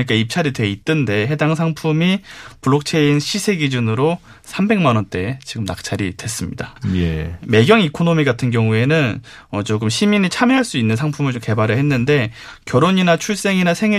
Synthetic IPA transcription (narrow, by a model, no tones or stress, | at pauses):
ɲik͈aip̚t͡ɕʰaɾidwe̞it͈ɯnde̞ɦe̞daŋsʰaŋpʰumipuɭːok̚t͡ɕʰe̞inɕʰisʰe̞ɡid͡ʑunɯɾo | sʰambe̞ŋmanʌnt͈e̞t͡ɕiɡɯmnak̚t͡ɕʰaɾḭdwe̞s͈ɯmɲḭdajeme̞ɡjʌŋikʰonomiɡatʰɯnɡjʌŋue̞nɯn | ʌt͡ɕoɡɯmɕʰiminit͡ɕʰamjeɦaɭs͈uinːɯnsʰaŋpʰumɯɭt͡ɕomke̞baɾɯɭhe̞nːɯnde̞ | kjʌɾoɲinat͡ɕʰuɭs͈e̞ŋinasʰe̞ŋi